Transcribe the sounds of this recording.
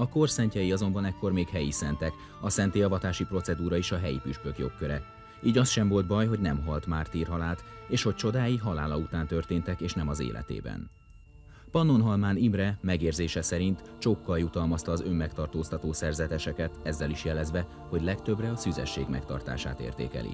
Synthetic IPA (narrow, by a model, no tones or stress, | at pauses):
ɒko̞rsɛɲcɛjiɒzo̞mbɒnɛkːo̞rmeːkɦɛjisɛnt̪ɛk | ɒsɛnt̪eːɒvɒt̪aːʃipro̞t̪sɛd̪uːɾɒeʃɒɦɛjḭpyʃkø̞kjo̞̰kkːøɾɛ | iːɟɒst̪ʃɛmvo̞lt̪̚bɒjɦo̞ɟnɛmɦɒlt̪maːrt̪iːrɦɒlaːlt̪eːʃho̞c̚t͡ʃo̞d̪aːjiɦɒlaːlɒut̪aːnt̪ø̞rt̪eːnt̪ɛkeːʃnɛmɒzḛːlʔɛ̰t̪ḛːbɛ̰n | pɒnːo̞nɦɒlmaːnimrɛmɛɡeːrzeːʃɛsɛɾint̪t͡ʃokːɒjut̪ɒlmɒst̪ɒːzø̞mːɛkt̪ɒrt̪oːst̪ɒt̪oːsɛrzɛt̪ɛʃɛkɛt̪ɛzːɛliʃjɛlɛzʋɛ | ho̞ɟlɛkt̪ø̞brɛɒsyzɛ̰ʃːḛːɡmɛ̰kt̪ɒ̰rt̪a̰ːʃa̰ːt̪ḛːrt̪ḛːkɛ̰lḭ